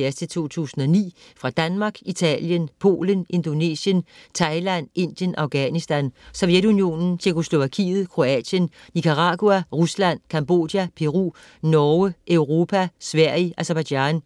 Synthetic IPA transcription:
ɐsdʰet͡sʰo̝̰ːt͡sʰṵːsn̩ɒ̽nḭːfʁɑ̈d̥ænmɑ̈ɡ̥it͡sʰɛ̰ljənpʰo̝̰ːlənʔe̝nd̥o̝ne̝̰ːsjənt͡sʰɑ̈ɪlæn̰e̝n̰d̥jənʔɑ̈ʊɡ̥ænisd̥ænsoʊjed̥unio̝̰nn̩t͡ɕʰekʰo̝slo̝ʋækʰḭːð̞̩ˠkʰʁo̝ɛ̰ːd̥jənːikʰɑʁɑ̈ɡ̥uæʁuslæn̰kʰɑ̈mb̥o̝̰ːd̥jæpʰe̝ʁṵ | nɒːəʔøʊʁo̝ːpʰæsʋæɐ̰iʔæsɐb̥æ̥ɑn

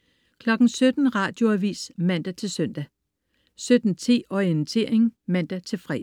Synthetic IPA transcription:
kʰlɒ̽ɡ̥n̩sød̥n̩ʁɑ̈ːd̥jo̝æʋḭːsmæn̰d̥æt͡sʰe̝lsøn̰d̥æ | sød̥n̩t͡sʰe̝̰ːɒent͡sʰe̝̰ːɐ̰e̝ŋ̩mæn̰d̥æt͡sʰe̝lfʁɛ̰

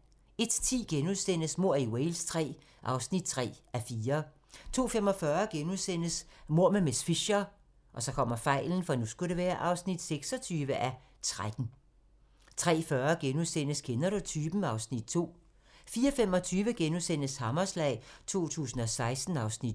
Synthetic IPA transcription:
e̝d̥t͡sʰḭːɡ̥enuðˠsen̰əsmo̝ɐ̰iweɪlst͡sʰʁɛ̰ː | ʔɑ̈ʊsnid̥̚t͡sʰʁɛ̰ːæfiːɐ | t͡sʰo̝̰ːfemɒ̽fɶːɐɡ̥enuðˠsen̰əsmo̝ɐ̰memesfiɕɐ | ʔɒ̽sɒ̽kʰɒ̽m̰ɐfɑ̈ɪ̰ln̩fɒ̽nusɡ̥uɾe̝ʋæːɐʔɑ̈ʊsnid̥seɡ̥sɒ̽t͡sʰyːʋəʔæ | t͡sʰʁad̥n̩ | t͡sʰʁɛ̰ːfɶːɐɡ̥enuðˠsen̰əskʰenɐɾut͡sʰyːb̥m̩ɑ̈ʊsnid̥̚t͡sʰo̝̰ː | fiːɐfem̰ɒ̽t͡sʰyːʋəɡ̥enusen̰əshɑmɐslɛ̰ɪ̰t͡sʰo̝̰ːt͡sʰṵːsn̩ɒ̽sɑ̈ɪsd̥n̩ɑ̈ʊsnid̥

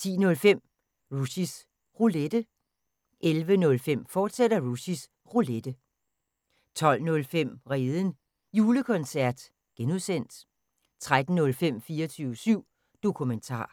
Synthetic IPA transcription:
t͡sʰḭːnɔ̽lfem̰ | ʁusis | ʁuled̥ə | ʔelʋənɔ̽lfem̰fɒːd̥sed̥ɐʁusis | ʁuled̥ə | t͡sʰɒ̽l̰nɔ̽lfem̰ʁeːðˠən̩ | juːləkʰɒ̽nsæɐ̰d̥ | ɡ̥enuðˠsen̰d̥ | t͡sʰʁad̥n̩nɔ̽lfem̰fiːɐt͡sʰyːʊəsyʊ̰ | d̥o̝kʰument͡sʰɑ̰̈ː

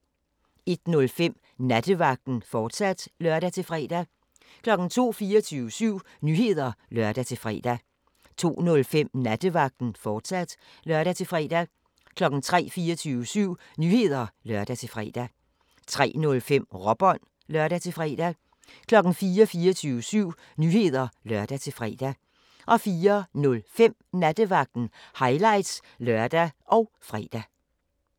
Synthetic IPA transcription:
e̝d̥nɔ̽lfem̰ | næd̥əʋɑ̈ɡ̥̚d̥n̩fɒːd̥sæd̥lɶɐɾ̥æt͡sʰe̝lfʁɛ̰ːd̥æ | kʰlɒ̽ɡ̥n̩t͡sʰo̝̰ːfiːɐt͡sʰyːʊəsyʊ̰ | nyːhe̝ð̞̰ˠɐlɶɐd̥æt͡sʰe̝fʁɛ̰ːd̥æ | t͡sʰo̝̰ːnɔ̽lfem̰næd̥əʋɑ̈ɡ̥̚d̥n̩fɒːd̥sæd̥ | lɶɐɾæt͡sʰe̝fʁɛ̰ːd̥æ | kʰlɒ̽ɡ̥n̩t͡sʰʁɛ̰ːfiːɐt͡sʰyːʋəsyʊ̰ | nyːhe̝ð̞ˠɐlɶɐd̥æt͡sʰe̝lfʁɛ̰ːd̥æ | t͡sʰʁɛ̰ːnɔ̽lfem̰ʁɒ̽b̥ɒ̽n̰ | lɶɐɾ̥æt͡sʰe̝fʁɛ̰ːd̥æ | kʰlɒ̽ɡ̥n̩fiːɐfiːɒt͡sʰyːʋəsyʊ̰ | nyːhe̝ð̞̰ˠɐlɶɐd̥æt͡sʰe̝lfʁɛ̰ːd̥æ | ʔɒ̽fiːɐnɔ̽lfem̰næd̥əʋɑ̈ɡ̥̚d̥n̩hɑ̈ɪlɑ̈ɪd̥s | lɶɐd̥æʔɒ̽ʊ | fʁɛ̰ːd̥æ

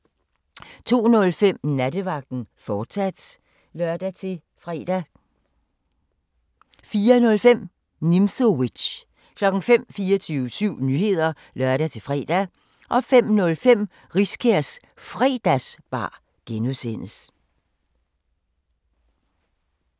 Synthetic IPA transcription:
t͡sʰo̝̰ːnɔ̽lfem̰næd̥əʋɑ̈ɡ̥̚d̥n̩fɒ̥ːsæd̥ | lɶɐd̥æe | ʁæ | fiːɐnɔ̽lfem̰ | nimsowi̥ɕ | kʰlɒ̽ɡ̥ŋ̩fem̰fiːɒt͡sʰyːʊsyʊ̰nyːhe̝ð̞̰ˠɐ | lɶɐɾæt͡sʰe̝fʁɛ̰d̥æ | ʔɒ̽fem̰nɔ̽lfem̰ | ʁiskʰæɐ̰s | fʁɛːd̥æsb̥ɑ̰̈ː | ɡ̥enuðˠsen̰əs

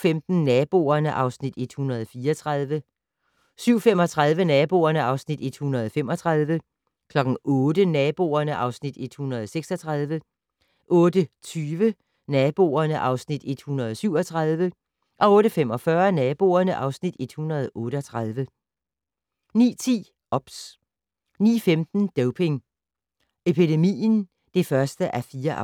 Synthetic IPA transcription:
femd̥n̩nɛb̥o̝̰ːɐnəʔɑ̈ʊsnid̥e̝d̥hunʁɐð̞ˠfiːɐɒt͡sʰʁað̞ˠʋə | syʊ̰fem̰ɒ̽t͡sʰʁað̞ˠʋənɛːb̥o̝̰ːɐnəɑ̈ʊsnid̥e̝d̥hunʁɐð̞̩ˠfemɒ̽t͡sʰʁaðˠʋə | kʰlɒ̽ɡ̥n̩ɔ̽ːd̥ənɛːb̥o̝̰ɐnəʔɑ̈ʊsnid̥e̝d̥hunʁɐðˠseɡ̥sɒ̽t͡sʰʁað̞ˠʋə | ʔɔ̽ːd̥ət͡sʰyːʋə | nɛb̥o̝̰ːɐnəʔɑ̈ʊsnid̥e̝d̥hunʁɐð̞̩ˠsyʊ̰ɒ̽t͡sʰʁað̞ˠʋə | ʔɒ̽ɔ̽ːɾəfem̰ɒ̽fɶɐnɛːb̥o̝̰ːɐnəʔɑ̈ʊsnid̥e̝d̥hunʁɐð̞ˠʔɔ̽ːɾəɒ̽t͡sʰʁaðˠʋə | nḭːt͡sʰḭː | ɒ̽b̥s | nḭːfemd̥n̩d̥oʊpʰe̝ŋ | epid̥e̝mḭːn̩ | d̥e̝fɶɐsd̥əʔæfiːɐʔ

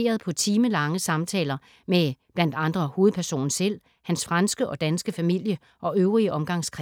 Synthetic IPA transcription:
e̝̰ːɐð̞̩ˠpʰɒ̽t͡sʰiːməlɑ̈ŋəsɑ̈mt͡sʰɛ̰ːlɐ | meb̥læn̰d̥ɑ̈nd̥ʁɐho̝ːð̩ˠpʰæɐso̝̰ːnsel̰ | hænsfʁɑnsɡ̥əʔɒ̽d̥ænsɡ̥əfæmil̰jə | ʔɒ̽ʔøʊʁiəʔɒ̽mɡ̥ɑ̈ŋ̰skʰʁ

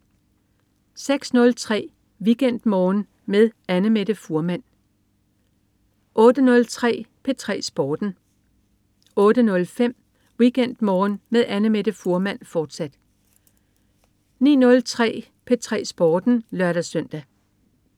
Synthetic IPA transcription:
seɡ̥snɔ̽lt͡sʰʁɛ̰ː | ʋiɡ̥en̰d̥mɒːn | meðˠænəmeɾ̥əfuɐmæn̰ | ʔɔ̽ːd̥ənɔ̽lt͡sʰʁɛ̰ːpʰe̝t͡sʰʁɛ̰ːsb̥ɒːd̥n̩ | ɔ̽ːɾ̥ənɔ̽lfem̰ | ʋiɡ̥en̰d̥mɒːnmeðˠænəmed̥əfuɐmæn̰fɒːd̥sæd̥ | nḭːnɔ̽lt͡sʰʁɛ̰ː | pʰet͡sʰʁɛ̰ːsb̥ɒːd̥n̩lɶɐɾ̥æsœn̰d̥æ

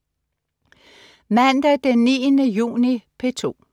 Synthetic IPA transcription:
mænd̥æd̥enːḭːənəjṵːnipʰe̝t͡sʰo̝̰ː

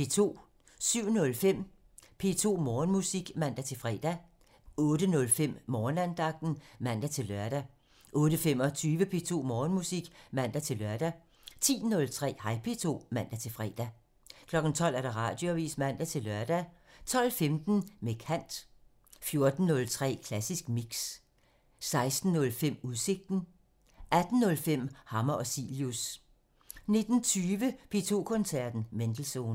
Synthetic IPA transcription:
pe̝̰t͡sʰo̝̰ː | syʊ̰nɔ̽lfem̰ | pʰe̝ːt͡sʰo̝̰ːmɒːnmusiɡ̥mæn̰d̥æt͡sʰe̝lfʁɛ̰ːd̥æ | ɔ̽ːdənɔ̽lfem̰mɒːnænd̥ɑ̈ɡ̥̚d̥n̩mæn̰d̥æt͡sʰe̝lːɶɐɾ̥æ | ʔɔ̽ːɾəfem̰ɒ̽t͡sʰyːʋəpʰe̝t͡sʰo̝̰ːmɒːnmusiɡ̥mæn̰d̥æt͡sʰe̝lɶɐd̥æ | t͡sʰḭːnɔ̽lt͡sʰʁɛ̰ːhɑ̈ɪ̰pʰe̝t͡sʰo̝̰ːmæn̰d̥æt͡sʰe̝lfʁɛ̰ːd̥æ | kʰlɒ̽ɡ̥n̩t͡sʰɒ̽l̰æɐɾ̥ɑ̈ʁɑ̰̈ːd̥joʋḭːsmæn̰d̥æt͡sʰe̝lɶɐd̥æ | t͡sʰɒ̽l̰femd̥n̩mekʰæn̰d̥ | fjo̝ɐd̥n̩ːɔ̽lt͡sʰʁɛ̰ːkʰlæsisɡ̥miɡ̥s | sɑ̈ɪsd̥n̩ːɔ̽lfem̰uðˠse̝ɡ̥̚d̥n̩ | ʔæd̥n̩ːɔ̽lfem̰hɑ̈mɐɒ̽siːljus | ne̝d̥n̩t͡sʰyːʋəpʰe̝t͡sʰo̝̰ːkʰɔ̽nsæɐd̥n̩mend̥l̩so̝ːn

